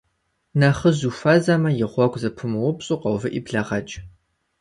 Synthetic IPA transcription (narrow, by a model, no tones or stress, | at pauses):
naχəzufɐzɐmɐjɪʁʷɔkʷʰʼzɐpʰɨmɨwʊpɕʼuːqɐwvɨʔibɮɐʁɐt͡ʃʼ